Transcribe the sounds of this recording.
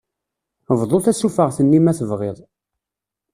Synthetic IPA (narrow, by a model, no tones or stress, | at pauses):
vðˤoθæsufəʁθənːimæθəvʁeðˤ